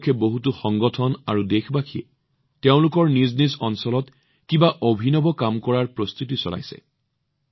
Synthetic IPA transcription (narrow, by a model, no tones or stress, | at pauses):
kʰɛboɦutuxɔŋɡɔtʰɔnaɹudexbakʰiɛ̰ | teʊ̃lʊkɔɹniznizɔnsɔlɔt | kĩbaʔobʱinɔbɔkamkɔɹaɹpɹɔst̪ut̬isɔ̰la̰jsɛ̰